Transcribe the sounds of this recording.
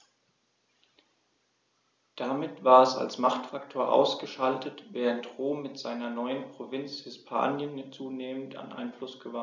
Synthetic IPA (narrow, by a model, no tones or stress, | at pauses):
d̥amɪtv̥aːɐɛsa̰lsmaχtfaktʰoːɐʔa̰ʊsɡ̥əʃaltʰətvɛːʁəntʁoːmːɪtz̥aɪnɐnɔʏənpʁ̥ovɪnt͡shɪspʰa̰ːnjənt͡suːneːmən̩tʰa̰nʔa̰ɪnflʊsɡ̥əva